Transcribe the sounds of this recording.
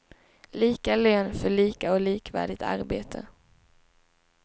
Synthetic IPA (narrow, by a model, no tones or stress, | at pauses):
liːkaløːnfœɭiːkaɔliːkvæ̰ːɖɪt̪ʰa̰ɾbeːt̪ʰə̰